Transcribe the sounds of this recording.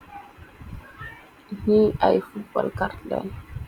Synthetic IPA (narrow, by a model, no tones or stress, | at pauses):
hiajfuba̰lkaɾda̰n